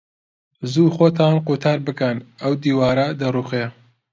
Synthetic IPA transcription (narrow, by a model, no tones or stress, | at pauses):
zuːxoːt̪ʰɑnqut̪ʰɑːɾbɨkɐnɐwd̪iːwɑːɾɐd̪ɐruːxe